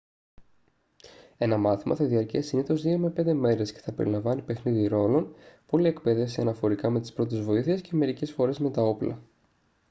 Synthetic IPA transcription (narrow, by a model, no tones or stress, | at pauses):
e̞nɐmɐθimʔɐ̰θɐðiɐɾciɐsiniθo̞zðiome̞pe̞nd̪e̞me̞ɾe̞sce̞̥θɐpe̞ɾḭlɐɱvɐnipe̞xniðiɾo̞lo̞npo̞lie̞kpe̞ðefsiɐnɐfo̞ɾikɐme̞t̪ispɾo̞t̪e̞zvo̞iθiesce̞me̞ɾice̞sfo̞ɾe̞zme̞t̪ɐo̞plɐ̰